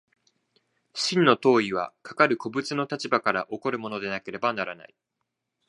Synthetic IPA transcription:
ɕĩnːo̞t̪o̞ːiβ̞a̰kʰḁkaɾɯ̟ko̞bɯ̟t͡sɨno̞t̪at͡ɕibakaɾa̰ʔo̞ko̞ɾɯ̟mo̞no̞d̪e̞nake̞ɾe̞banaɾana̰i

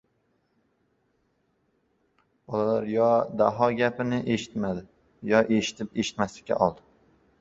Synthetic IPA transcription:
b̥ɒlalaɾjɒd̪aɦɒɡʲapɪnɪʔe̞ʃɪ̥t̪mad̪ɪ | jɒʔe̞ʃɪ̥t̪ʰɪpe̞ʃɪ̥t̪maslɪ̥kʲʰːa̰ʔɒlˠd̪ɪ

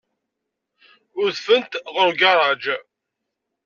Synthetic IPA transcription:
ʊɾðfənt̪ʁəɾɡɑrˤɑd͡ʒ

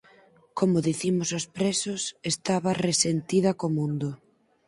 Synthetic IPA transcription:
komʊðiθimʊsospɾesʊsest̪aβɐresent̪iðɐkomũnd̪ʊ

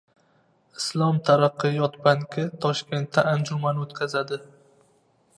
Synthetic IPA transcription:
ɪslˠɒmt̪ʰaɾaqːɨjɒt̪baŋkʲʰɪt̪ʰɒʃkʲe̞nt̪ʰːaand͡ʒʊmanot̪kʲʰazad̪ɪ

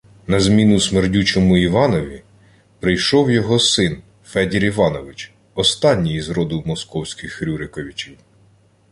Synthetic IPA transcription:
nɐzmʲinʊsmerdʲut͡ʃɔmʊiʋɑnɔʋʲi | pɾɪjʃɔwjɔɦɔsɪn | fɛdʲiɾiʋɑnɔʋɪt͡ʃ | ɔst̪ɑnʲːijizɾɔd̪ʊwmɔskɔwsʲkɪxɾʲuɾɪkɔʋʲit͡ʃɛj

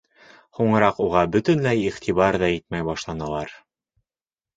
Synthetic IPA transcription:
huɴɤ̆ɾɑquʁɑbɵ̆t̪ɘ̆nlæjiχt̪ʰiβɑɾðɑit̪̚mæjbɑʃlˠɑnɑlˠɑɾ

